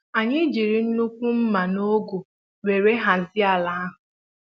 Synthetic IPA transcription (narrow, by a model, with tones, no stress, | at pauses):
a˨ɲɪ˦d͡ʒi˨ɾi˨n̩˦nu˦kʷu˦m̩˦ma˨no˦ɡo˨ | ɾe˨ɾe˦ɦa˨zɪ˦a˨la˦a˦ɦʊ˨